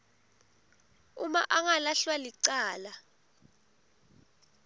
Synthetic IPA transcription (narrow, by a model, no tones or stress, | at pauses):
umaʔaŋalaɬwaliǀaːla